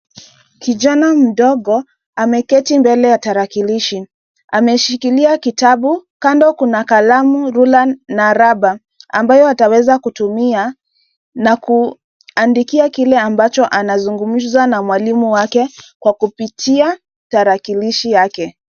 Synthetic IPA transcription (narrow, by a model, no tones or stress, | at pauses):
kiʄanam̩ɗɔɡɔ | amɛkɛtimbɛlɛjataɾakiliʃi | a̰mɛʃikiliakitaɓukandɔkunakalamuɾulanːaɾaba | a̰mbajɔatawɛzakutumia | naku | andikiakilɛambat͡ʃɔʔanazuŋɡum̩zwanamwalimuwakɛkwakupitʰia | taɾakiliʃijakɛ